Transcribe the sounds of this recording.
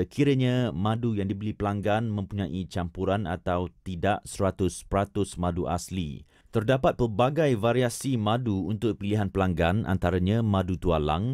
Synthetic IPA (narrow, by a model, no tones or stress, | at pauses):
əkʰiɾəɲãmãdujaŋdibəlipəlaŋɡanmə̃mpuɲãʔit͡ʃampuɾana̰t̪awt̪idaʔsəɾat̪ʊspəɾat̪ʊsmãduʔa̰slḭ | t̪ərdapat̪̚pərbaɡajvaɾiasimãduunt̪ʊk̚piliɦanpəlaŋɡanʔa̰nt̪aɾaɲãmãdut̪uala̰ŋ